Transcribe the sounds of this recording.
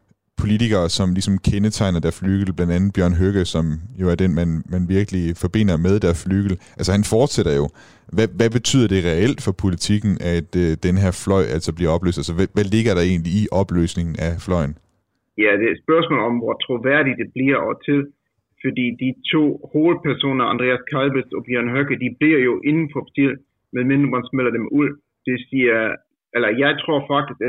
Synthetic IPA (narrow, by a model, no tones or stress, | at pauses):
pʰo̝lit͡sʰiɡ̥ɐːsɒ̽mlisɒ̽mkʰenət͡sʰɑ̈ɪnɐdæɐsflyːɡ̥l̩b̥lænd̥ænð̩ˠb̥jɶɐ̰nɦøɡ̥əsɒ̽mjo̝æɐd̥enmænmænʋiɐɡ̥əlifɒ̽b̥e̝n̰ɐmeð̞ˠd̥æɐsflyːɡ̥l̩ʔælsɐhænfɒːd̥seɾ̥ɐjo̝ | ʋæʋæb̥e̝t͡sʰy̰ð̰ˠɐd̥e̝ʁɛel̰d̥fɒ̽pʰo̝lit͡sʰiɡ̥n̩ʔæd̥d̥enəɦeɐ̰flɒ̽ɪ̰ʔæl̰sɒb̥liɐɒ̽b̥lø̰ːsd̥ælsəʋæʋæle̝ɡ̥ɐɾ̥ɑ̈e̝̰ːnliiʔɒ̽b̥lø̰ːsne̝ŋn̩æflɒ̽ɪ̰n̩ | jæd̥e̝sb̥ɶɐsmɔ̰ːlɒ̽mʋɒt͡sʰʁoʋæɐ̰ɾ̥id̥e̝b̥liɐ̰ɒt͡sʰe̝l | fɒd̥ḭːd̥it͡sʰo̝̰ːho̝ːl̩pʰæɐso̝̰ːnɐɑnd̥ʁɛæskʰɑlbesɒb̥jøɐnɦøɡ̥əd̥ib̥liɐ̰jo̝ʔe̝nn̩fɒpʰsel | meðˠmenmbʁɐnsmel̰ɐd̥emuð̰ˠ | d̥e̝siɐ | ʔelɐjɑ̈ɪt͡sʰʁo̝ɐ̰fɑ̈ɡ̥̚d̥isɡ̥